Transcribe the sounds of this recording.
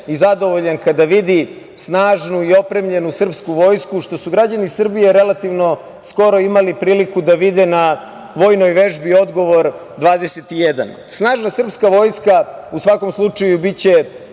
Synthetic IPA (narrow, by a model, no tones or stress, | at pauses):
izad̪o̞ʋo̞ʎankad̪aʋid̪i | snaːʒnuio̞pɾe̞mʎe̞nusr̩pskuʋo̞ːjskuʃt̪o̞suɡɾad͡ʑanisr̩bijeɾelat̪iʋno̞ | sko̞ɾo̞imalipɾiːlikud̪aʋid̪ena | ʋo̞ːjno̞jʋe̞ʒbio̞d̪ɡo̞ʋo̞ɾ | d̪ʋaːd̪eset̪ijed̪a̰n | snaːʒnasr̩pskaʋo̞ːjskausʋako̞mslˠut͡ʂajubit͡ɕe̞